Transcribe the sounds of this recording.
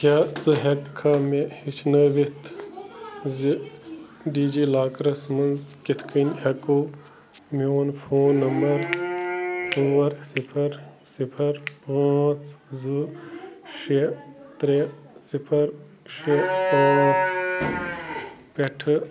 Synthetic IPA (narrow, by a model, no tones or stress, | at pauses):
taːt͡sɨɦekkʰːamehit͡ʃʰnəʋit̪ʰ | zi | ɖiːd͡ʒilaːkɾɐsmɐnzkit̪ʰkʰinʲhɐku | mioːnpʰoːnːɐmbɐɾ | t͡suʋɐɾsipʰɐɾ | sipʰɐɾpat͡sʰzɨ | ʃet̪ɾe | sipʰɐɾ | ʃepãːt͡sʰ | peʈʰɨ